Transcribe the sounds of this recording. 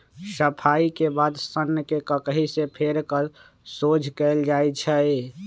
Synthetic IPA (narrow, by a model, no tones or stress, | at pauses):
səpʰaikebad̪sənːəkekəkəɦisepʰeɾkəɾ | sod͡ʒʱkɛɪld͡ʒajt͡ʃʰɛ